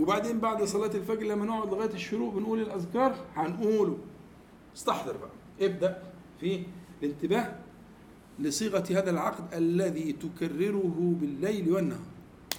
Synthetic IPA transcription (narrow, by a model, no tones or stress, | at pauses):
webaʕd̪eːmbaʕd̪sˤɑlɑːt̪elfæɡɾlæmːænoʕod̪lɪɣæːjæt̪ɪʃːʊɾuːʔbɪnʔuːlɪlʔæðkɑːɾˤhænʔuːlu | nɪst̪ɑħd̪ˤɨɾˤbæʔæ | ʔeb̚d̪æʔ | filɪnt̪ɪbæːh | lɪsˤiːɣæhæːðælʕɑqd̪ʔælːæðiːt̪ʊkærːɪɾʊɦʊbɪlːæjlwænːæhɑɾˤ